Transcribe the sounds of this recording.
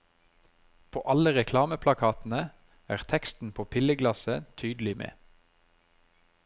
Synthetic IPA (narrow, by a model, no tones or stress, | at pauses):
pʰo̰ːʔɑləʁɛkʰlɑːməpʰlɑkʰɑːt̪n̩ə | æ̰ːʁt̪ʰɛkst̪n̩pʰoːpʰɪləɡlɑsət̪ʰyːd̪l̩ɪmḛː